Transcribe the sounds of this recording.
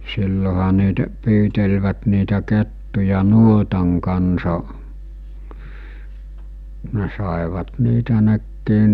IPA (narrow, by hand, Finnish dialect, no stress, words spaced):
silːohɑ niːtæ pyːtelʋæt niːtæ ketːujɑ nuotɑŋ kɑnsɑ ne sɑˑeʋɑt niːtæ nekːiː